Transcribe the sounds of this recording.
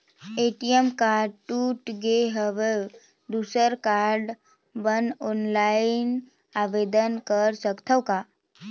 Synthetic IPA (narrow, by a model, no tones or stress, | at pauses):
eʈijemkaːɾɖʈuːʈɡeɦəʋe | d̪usəɾkaːɾɖ | bənɔnlain | aʋed̪ənkəɾsəkt̪ʰəwkaː